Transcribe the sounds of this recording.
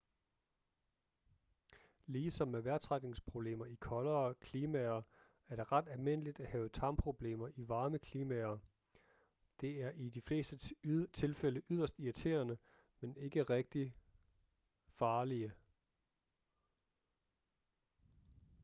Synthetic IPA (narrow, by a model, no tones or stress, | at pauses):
liːsɒ̽mːeʋæɐt͡sʰʁaɡ̥ne̝ŋspʰʁo̝b̥le̝̰ːmɐikʰɒ̽lɐːkʰliːmɛɐ | æɐɾ̥e̝ʁɑ̈d̥ælme̝n̰əlid̥æhɛːʊət͡sʰɑ̈mpʰʁo̝b̥le̝̰ːmɐʔiʋɑ̈ːməkʰliːmæɐ | d̥e̝æɐʔid̥ifle̝̰ːsd̥ət͡sʰe̝lfeləʔyð̞̰ˠɐsd̥iæt͡sʰe̝̰ːɐnə | mene̝ɡ̥əʁeɡ̥̚d̥i | fɑ̈ːliə